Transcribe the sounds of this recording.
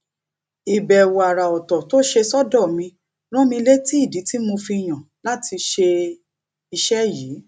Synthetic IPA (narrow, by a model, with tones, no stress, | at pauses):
i˨bɛ˨wo˨a˨ɾa˨ɔ˨tɔ˨to˦ʃe˧sɔ˦dɔ˦˨mĩ˧ | ɾ̃ɔ̃˦mĩ˧le˦ti˦i˦˨di˨˦ti˦mo˧fi˧˨j̃ã˨ | la˦tʰi˧ʃe˧ | i˧ʃɛ˦jiː˨˦